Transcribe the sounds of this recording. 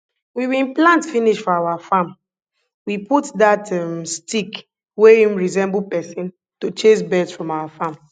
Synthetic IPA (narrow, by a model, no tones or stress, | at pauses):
wiwĩnplãntfiniʃfɔawafam | wiputdatɛmstik | weĩmɹizɛ̃mbulpɛsĩn | tot͡ʃesbɛdsfɹɔ̃mawafãm